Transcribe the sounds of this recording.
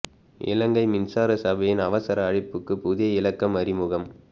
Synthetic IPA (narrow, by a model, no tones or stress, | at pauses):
ʔɪ̰lɐŋɡɐɪmɪnsaːɾɐsɐbɐjɪnɐʋɐsɐɾɐːɻɪpːɯkːɯpʊðɪjɐɪlɐkːɐmɐɾɪmɯɣɐm